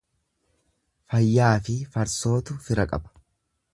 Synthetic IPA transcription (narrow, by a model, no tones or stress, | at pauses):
fɐjːaːfɪfɐɾso̞ːt̪ʊfɪɾɐkʼɐ̰bɐ̥